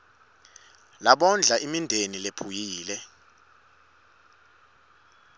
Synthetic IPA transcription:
laɓɔnd͡ɮʱaʔimindʱenilepʰujiːlɛ

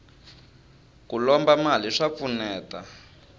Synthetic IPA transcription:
kulɔmbamaliʂap̪funɛːta

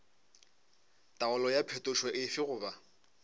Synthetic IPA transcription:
tʼaʊlɔjapʰetʼʊʃwɛʔɪfɪɣʊːba

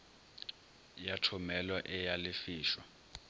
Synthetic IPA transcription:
jatʰɔmɛlwaʔɛjalɪfiːʃwa

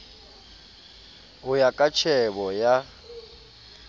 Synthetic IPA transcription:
ɣʊjakʼat͡ʃʰɛβɔja

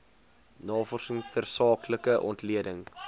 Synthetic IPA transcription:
nɑːfɔrsəŋtərsɑːkləkəʔɔ̰ntliədəŋ

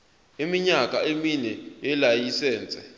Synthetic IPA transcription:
imiɲakʼa̰eminɛjɛlajisɛːnt͡sʼɛ

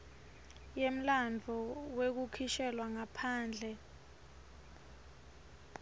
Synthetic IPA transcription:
jem̩land͡vʱɔwek̬ukʰiʃɛlwaŋapʰaːnd͡ɮʱɛ

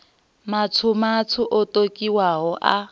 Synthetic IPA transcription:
mat͡sʰʊmatʰʊʔɔtʼokʼiwaɦɔʔa̰

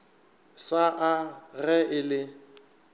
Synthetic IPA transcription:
saʔaɣɛɪlɪ

